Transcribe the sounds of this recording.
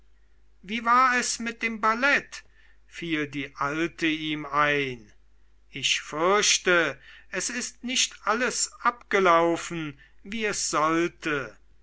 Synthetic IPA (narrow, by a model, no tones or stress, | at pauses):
viːvaːɐɛsmɪt̚d̥eːmbalɛt | fiːldiːʔaltʰəiːmaɪn | ɪçfʏɐʃtəʔɛsɪstnɪʃtʔaləsʔapɡ̥əlaʊfn̩ | viːɛsz̥ɔltʰə